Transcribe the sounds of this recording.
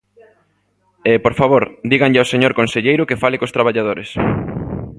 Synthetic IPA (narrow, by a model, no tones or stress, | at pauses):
epoɾfaβoɾd̪iɣaŋʎɪaoseɲoɾkonseʎejɾʊkefalɪkost̪ɾaβ̞aʎað̞oɾes